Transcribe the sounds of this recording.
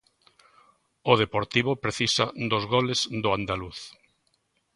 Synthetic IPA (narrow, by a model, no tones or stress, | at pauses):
ʊð̞epoɾt̪iβ̞opɾeθisad̪ozɣolezd̪oand̪aluθ